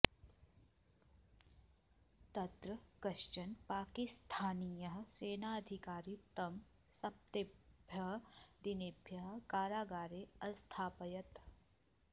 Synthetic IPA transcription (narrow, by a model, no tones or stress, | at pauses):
t̪ɐt̪ɾɐkɐʃt͡ʃɐnpaːkɪst̪ʰaːnijɐɦseːnaːɐd̪ʱɪkaːɾit̪ɐm | sɐp̚t̪ebʱjɐɦd̪inibʱjɐɦkaːɾaːɡaːɾeɐst̪ʰaːpɐjɐt̪